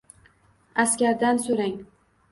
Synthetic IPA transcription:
askʲaɾd̪ansoɾaŋ

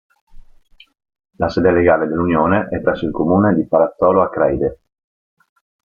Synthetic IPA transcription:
lasɛːd̪eleɡaːled̪elːunjoːneʔɛpːɾɛsːoilkomuːned̪ipaɾat̪sːɔːloakːɾɛjd̪e

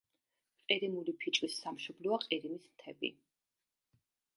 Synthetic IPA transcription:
qʼiɾimulipʰit͡ʃʼwisːamʃɔblɔaqʼiɾimismt̪ʰɛbḭ

